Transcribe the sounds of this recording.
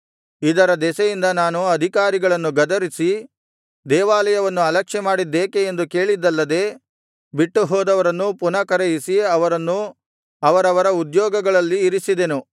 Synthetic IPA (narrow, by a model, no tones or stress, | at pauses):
id̪ɐɾɐd̪ɛsɐjind̪ɐnaːnuɐd̪ʱikaːɾiɡɐɭɐnːuɡɐd̪ɐɾisi | d̪ɛːʋaːlɐjɐʋɐnːuɐlɐkʂɛmaːɽid̪ːeːkeend̪uke̞ːɭid̪ːɐlːɐd̪e̞ː | biʈːuɦɔːd̪ɐʋɐɾɐnːupunɐkɐɾejisiɐʋɐɾɐnːu | ɐʋɐɾɐʋɐɾɐud̪jɔːɡɐɡɐɭɐlːiːɾisid̪e̞nu